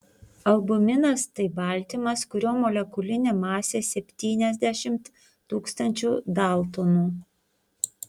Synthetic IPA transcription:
ɐlˠbʊmʲɪnɐst̪ɐɪbɐˑlʲt̪ʲɪmɐskʊɾʲoːmɔlʲɛkʊlʲɪnʲeːmɑːsʲeːsʲɛpʲt̪ʲiːnʲɛzʲd̪ʲæʃʲɪmt̪ | t̪uːkst̪ɐnʲt͡ʃʲuːd̪ɑˑlˠt̪onuː

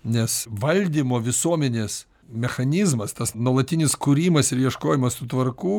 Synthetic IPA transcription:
nʲɛsʋɐlʲd̪ʲiːmoːʋʲɪsuɔmʲɛnʲeːs | mʲɛxɐnʲɪzmɐst̪ɐsnuɔlˠɐt̪ʲɪnʲɪskʊɾʲiːmɐsɪɾjiɛʃkoːjɪmɐssʊt̪ʋɐrkuː

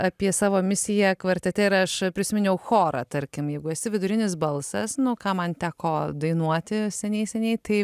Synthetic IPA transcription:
ɑpʲiɛsɑːʋoːmʲɪsʲɪjɛkʋɐɾʲt̪ʲɛt̪ʲɛɪɾɐʃpʲɾʲɪsʲɪmʲɪnʲɛʊxoːɾɑ̰t̪ɐɾʲkʲɪmjɛɪɡʊɛsʲɪʋʲɪd̪ʊɾʲɪnʲɪsbɐlˠsɐsnʊkɑːmɐnt̪ʲæːkoːd̪ɐɪnuɔt̪ʲɪsʲɛnʲɛɪsʲɛnʲɛɪt̪ɐɪ

